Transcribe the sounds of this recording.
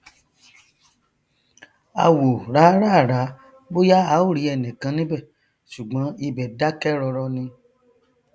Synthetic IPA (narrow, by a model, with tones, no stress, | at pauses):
a̰˧˨wo˨ɾa˨˦ɾa˦˨ɾa˨˦ | bo˦ja˦a˨˦o˦˨ɾi˨˦ɛ˧˨nĩ˨kã˨˧˦nĩ˦bɛ˦˨ | ʃu˨ɡ͡bɔ̃˨˦i˧bɛ˨da˦kɛ˦ɾɔ˧ɾɔ˧nĩ˧